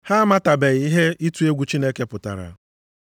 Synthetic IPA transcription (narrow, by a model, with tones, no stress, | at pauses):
ha˦ma˦ta˨be˨ɣi˦ɦe˦i˦tu˦e˦ɡʷu˦t͡ʃi˦ne˦ke˦pʊ˨ta̰˨ɾa̰˨